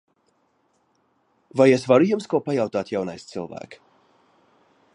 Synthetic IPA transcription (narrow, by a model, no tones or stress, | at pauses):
vajesvaɾujumskuɔpajawt̪aːt̪jawnajst̪sɨlˠvæ̰ːk